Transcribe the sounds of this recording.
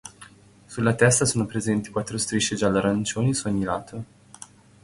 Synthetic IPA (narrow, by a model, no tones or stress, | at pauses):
sulːat̪ɛst̪asoːnopɾezɛnt̪ikwat̪ːɾost̪ɾiʃːed͡ʒalːaɾant͡ʃoːnisuoɲːilaːt̪ʰo